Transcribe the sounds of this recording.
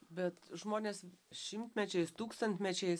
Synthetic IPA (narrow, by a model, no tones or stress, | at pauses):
bʲɛt̪ʒmoːnʲeːsʃʲɪmʲt̪ʲmʲɛt͡ʃʲɛɪst̪uːkst̪ɐnʲt̪ʲmʲɛt͡ʃʲɛɪ